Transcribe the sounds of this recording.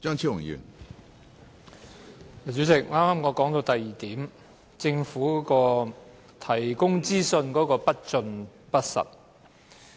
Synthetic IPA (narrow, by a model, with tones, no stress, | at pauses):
t͡ʃœː˥ŋt͡sʰiː˥wʊ˨˩ŋjy̰ː˨˩n | a˨t͡ʃy˨˥t͡sɪ˨k̚ŋaː˥maː˥mŋɔː˨˧kɔː˨˥ŋt̪o˧wt̪ɐ˨jːiː˨t̪iː˨˥m | t͡sɪ˧ŋfuː˨˥kɔː˧ | t̪ʰɐ˨˩jkʊ˥ŋt͡siː˥sɵ˧nkɔː˨˥kɔː˧pɐ˥t̚t͡ʃɵ˧n | pɐ˥t̚sɐ̰˨˩t̚